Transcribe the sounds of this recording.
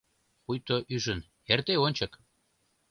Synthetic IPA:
xujt̪oʔyʒən | ert̪eonʲt͡ɕə̆k

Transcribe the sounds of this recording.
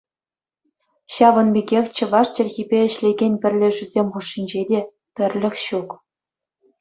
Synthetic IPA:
ɕɑʋɤ̆nbʲeɡʲexʲt͡ɕɤ̆ʋɑʂt͡ɕĕrʲɣʲibʲeɘ̆ɕlʲeɡʲenʲpʲɘ̆rʲlʲɘ̆ʐyzʲemʲχuʂːinʲd͡ʑedʲe | pʲɘ̆rʲlʲɘ̆xʲɕuk

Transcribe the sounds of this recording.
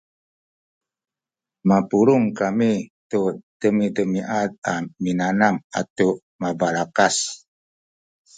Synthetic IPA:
mapuɾuŋkamitutəmidəmiʔat̪̚aminanama̰t̪u | mabaɾakas

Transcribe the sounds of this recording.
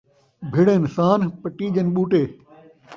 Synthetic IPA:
bʱɪɽẽːnsaːnpəʈiːd͡ʒɐnɓuːʈeː

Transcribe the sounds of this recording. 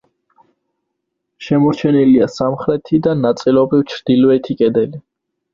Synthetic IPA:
ʃɛmɔɾt͡ʃʰɛniliasamχɾɛt̪ʰid̪anat̪sʼilɔbɾivt͡ʃʰɾd̪̥ilɔɛt̪ʰikʼɛd̪ɛli

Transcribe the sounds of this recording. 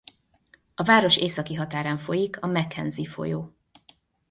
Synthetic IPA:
ɒvaːɾo̞ʃeːsɒkiɦɒt̪aːɾaːɱfo̞jikʰɒmɛkhɛnzifo̞̰joː

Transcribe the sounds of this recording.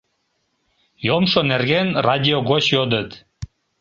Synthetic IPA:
jomʃonerɣenrʔɑdʲioɣot͡ɕjod̪ət̪

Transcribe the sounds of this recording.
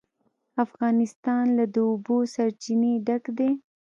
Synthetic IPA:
afɣɑnɪst̪ɑnlad̪əʊbosaɾt͡ʃineɖakd̪e

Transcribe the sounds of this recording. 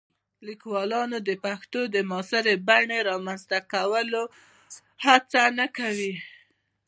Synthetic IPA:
likwɑlɑnod̪əpaxt̪od̪əmɑsɪɾebaɳeɾɑmanzt̪akawəlo | hat͡sanakawi

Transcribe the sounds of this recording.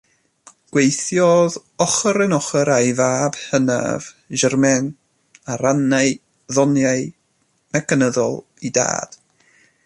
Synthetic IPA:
ɡ̥wejθjɔðɔχəɾɛnɔχəɾajvaːb̥həna̰v | ʒərmɛn | aɾanaɨ | ðɔnjaɨ | nakʰənəðɔ̰lˠ | ida̰ːd̥

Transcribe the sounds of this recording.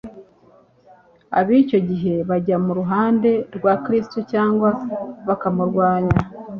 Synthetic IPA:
a̰βiːco̞ɟiɦe̞βaɟamuɾuɦaːnde̞ɾɡwaːkɾistucaːŋɡwaβakamuɾɡwaːɲa

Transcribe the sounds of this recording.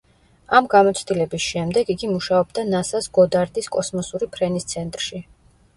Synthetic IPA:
amɡamɔt̪sʰd̪ilɛbisʃɛmd̪ɛɡiɡimuʃaɔbd̪anasasɡɔd̪aɾd̪iskʼɔsmɔsuɾipʰɾɛnist̪sʰɛnt̪ʼɾʃi

